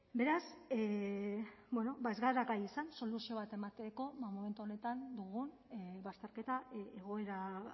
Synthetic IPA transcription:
be̞ɾase | bweno̞baezɣaɾakajisanso̞lusio̞β̞at̪e̞mat̪eko̞mome̞nt̪uone̞t̪and̪uɣun | βast̪e̞ɾke̞t̪aeɣ̞o̞e̞ɾa

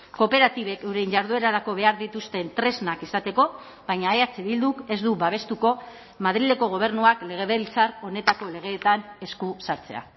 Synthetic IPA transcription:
ko̞pe̞ɾat̪iβe̞kewɾe̞jɲʝaɾðue̞ɾaɾako̞βe̞aɾðit̪ust̪e̞nt̪ɾe̞znakisat̪e̞ko̞ | βajɲaeat͡seβild̪uke̞zd̪uβaβ̞e̞st̪uko̞ | maðɾile̞ko̞ɣ̞o̞β̞e̞ɾnuakle̞ɣ̞e̞βelt͡saro̞ne̞t̪ako̞le̞ɣ̞e̞ːt̪ane̞skusaɾt͡se̞̰a̰

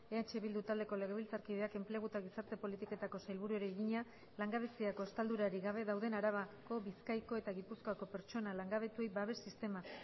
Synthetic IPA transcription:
e̞at͡ʃe̞βild̪ut̪ald̪e̞ko̞le̞ɣeβilt͡saɾkiðe̞ake̞mple̞ɣ̞ut̪aɣ̞isaɾt̪e̞po̞lit̪iko̞t̪ako̞sajlβuɾuoɾeːɣiɲa | laŋɡaβe̞siako̞est̪ald̪uɾaɾiɣaβe̞ðawðe̞naɾaβ̞ako̞βiskajko̞e̞t̪aɣipuskoako̞pe̞ɾt͡ʃo̞nalaŋɡaβ̞e̞t̪ue̞jbaβe̞sːist̪e̞ma

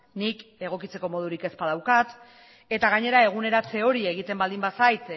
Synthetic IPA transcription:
nike̞ɣ̞o̞kit͡se̞ko̞mo̞ð̞uɾike̞spað̞awkat̪ | e̞t̪aɣ̞aɲe̞ɾae̞ɣ̞une̞ɾat͡se̞o̞ɾie̞ɣit̪e̞mbald̪imbasajt̪

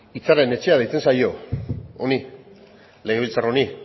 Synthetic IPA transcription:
it͡sare̞ne̞t͡ʃe̞aðejt͡se̞nsajo̞oni | le̞ɣe̞β̞ilt͡saroni

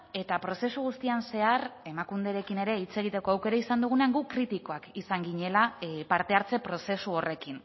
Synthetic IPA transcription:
e̞t̪apɾo̞se̞suɣ̞ust̪ianse̞are̞makund̪e̞ɾe̞kine̞ɾe̞it͡se̞ɣ̞it̪e̞ko̞awke̞ɾaisand̪uɣ̞une̞aŋɡukɾit̪iko̞akisaŋɡiɲe̞lapaɾt̪e̞aɾt͡se̞pɾo̞se̞suo̞re̞kin

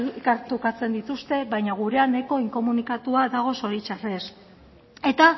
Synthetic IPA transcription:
kaɾt̪okat͡se̞nd̪it̪ust̪e̞βajɲaɣ̞uɾe̞ane̞ko̞iŋko̞munikat̪uaðaɣ̞o̞so̞ɾit͡ʃare̞s | e̞t̪a

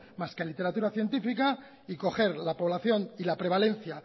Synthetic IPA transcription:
maskelit̪e̞ɾat̪uɾaθje̞nt̪ifika | iko̞xe̞ɾlapoβ̞laθjo̞nilapɾe̞β̞ale̞n̟θja

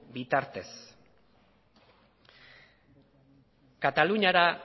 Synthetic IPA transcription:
bit̪aɾt̪e̞s | kat̪aluɲaɾa

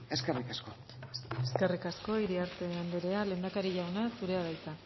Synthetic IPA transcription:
e̞skerikasko̞ | eske̞rikasko̞iɾiaɾt̪e̞and̪eɾe̞ale̞ːnd̪akaɾiʝawnasuɾe̞aβajt̪a

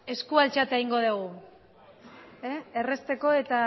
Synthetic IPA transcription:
e̞skualt͡ʃat̪eiŋɡo̞ð̞uɣ̞u | eere̞st̪e̞ko̞e̞t̪a

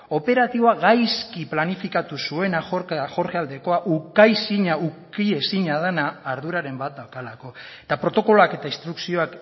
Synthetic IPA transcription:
o̞pe̞ɾat̪iβo̞aɣajskiplanifikat̪usue̞naoɾxo̞ɾɣeald̪e̞ko̞aʔukajsiɲaukie̞siɲað̞enaːɾðuɾaɾe̞mbat̪̚d̪awkalako̞et̪apɾo̞t̪o̞ko̞loake̞t̪aist̪ɾuksio̞ak

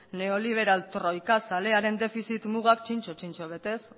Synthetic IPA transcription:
ne̞o̞liβ̞e̞ɾalt̪ɾo̞jkasale̞aɾe̞nd̪e̞fisit̪muɣ̞akt͡ʃint͡ʃot͡ʃint͡ʃoβ̞e̞t̪e̞s

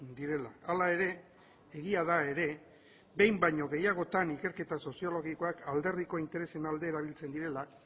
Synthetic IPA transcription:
d̪iɾe̞laalae̞ɾe̞ | eɣiaðae̞ɾe̞ | be̞jmbajɲo̞ɣe̞jaɣ̞o̞t̪anike̞ɾke̞t̪aso̞sio̞lo̞ɣiko̞akʰald̪e̞rðiko̞int̪e̞ɾe̞se̞nald̪e̞ːɾaβ̞ilt͡se̞nd̪iɾe̞lak

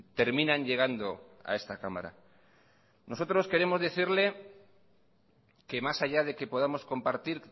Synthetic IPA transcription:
t̪e̞ɾmĩnãɲʎe̞ɣ̞and̪o̞a̰e̞st̪akama̰ɾa̰ | no̞so̞t̪ɾo̞ske̞ɾe̞mo̞zðeθiɾle̞ | ke̞masaʝað̞e̞ke̞po̞ð̞amo̞sko̞mpaɾt̪iɾ

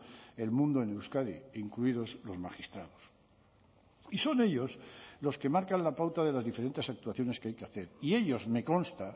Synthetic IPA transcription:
e̞lmũnd̪oenewskaðiiŋkluið̞o̞zlo̞zmaxist̪ɾaðo̞s | iso̞ne̞ʎo̞slo̞ske̞maɾkanlapawt̪aðe̞lazðife̞ɾe̞nt̪e̞sak̚t̪uaθjo̞ne̞skeajkeaθe̞ɾie̞ʎo̞zme̞ko̞nst̪a

